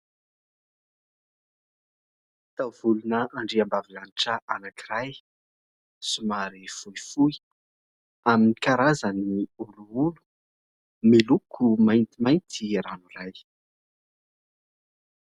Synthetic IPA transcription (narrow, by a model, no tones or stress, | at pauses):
t̪awv̥ulunəʔaɳɖ͡ʐiambavilaniʈ͡ʂəʔanakiɾaj | sumaɾifuifui | aminikaɾazəniuluulu̥ | milukʰumajnt̪imajnt̪ʰiranuraj